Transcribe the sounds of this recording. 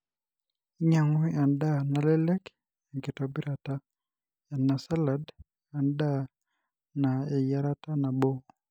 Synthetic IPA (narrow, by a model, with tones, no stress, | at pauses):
ɲa˨ŋwi˦a˨nda˦na˨lɛ˦lɛ˦k | ɛ˨ŋkɪ˨tɔ˨bi˦ɾa˨ta˦ | a˨na˨sa˦la˨d | a˨nda˦ | na˨ɛ˨ja˦ɾa˦ta˦na˨bo˦